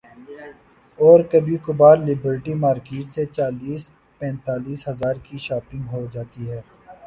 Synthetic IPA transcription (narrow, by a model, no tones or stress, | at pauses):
ɔːɾkɐbʱikʊbaːɾlɪbəɾʈimaːɾkeːʈset͡ʃaːliːs | pɛ̃ːnt̪aːliːsɦɐzaːɾkiʃaːpɪ̃ŋɡɦod͡ʒaːt̪iɦɛː